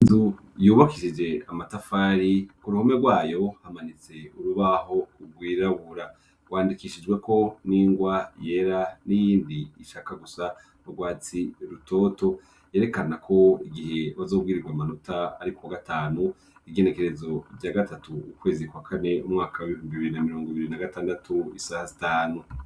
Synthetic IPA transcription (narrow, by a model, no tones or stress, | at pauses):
zu | juːβakiʃid͡ʒe̞amatafaːɾikuɾuhome̞ɡwaːjo̞hamanit͡se̞uɾuβaɦo̞uɡwiːɾaβuɾa | ɡ̥waːndikiʃid͡ʒɡwe̞kʰo̞niːŋɡwaje̞ɾanijiːndiːʃakaɡusa | uɡwaːt͡siɾutʰo̞to̞ | je̞ːɾe̞kanakʰo̞iɡihe̞βazo̞ːbɡiːɾiɡwamanutʰaaɾikuwaɡatʰaːnu | iɡe̞ne̞ke̞ɾezo̞bɟaɡatʰatuukwe̞ːzikwakʰane̞umŋaːkawaβihuːmbiβiɾinamiɾo̞ːŋɡoiβiɾinaɡataːndatʰuisahazitaːnu